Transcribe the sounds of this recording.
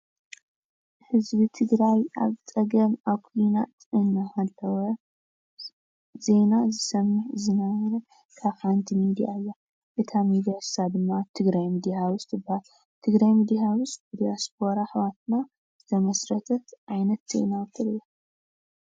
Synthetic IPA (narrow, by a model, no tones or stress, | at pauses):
hɨzbit̪ʰɨɡɾaja̰βt͡sʼɐɡɐmaβkʰujnat̪ɨnːahalːɐwɐ | ze̞nazɨsɐmɨħzɨnawɾɐ | kʰaβħant̪ʰimid̪ijaɨjːa | ʔɨt̪ʰamid̪ijassad̪ɨmːat̪ʰɨɡɾajmid̪iawust̪ʰɨbahal | t̪ʰɨɡɾajmid̪iawust̪mid̪ijasp̚ʰo̞ɾaħβat̪na | z̥ɨt̪ʰɐmɐsɾɐt̪ʰɐt̪ʔajnɐt̪z̥e̞̰nat̪ʰɨɾɨja